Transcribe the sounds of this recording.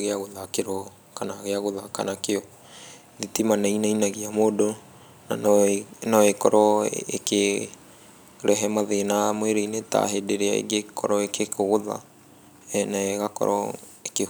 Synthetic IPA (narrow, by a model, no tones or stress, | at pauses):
ɣeaɣoðakeɾɔ | kanaɣeaɣoðakanakeɔ | ðitimanainainaɣiamoːdo | nanaekɔɾɔḛke | ɾɛɦɛmaðenamweɾeineta̰ɦedeɾea̰ḛɡekʰɔɾɔekekoɣoða̰ | naeɣakɔ̰ɾɔ̰ | eke